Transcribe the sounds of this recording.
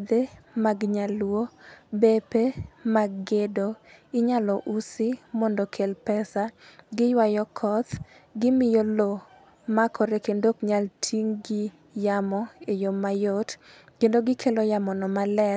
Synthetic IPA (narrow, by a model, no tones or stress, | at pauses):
d̪emaɡɲalwobepemaɡɡedoɪɲalɔʔusɪmɔndɔkʰelpɛsaɡɪjwajɔkʰɔt̪ | ɡɪmɪjolo | makʰɔɾekendokɲaltʰiŋɡɪ | jamɔejomːajotkendoɡɪkʰelɔjamɔnɔmalɛ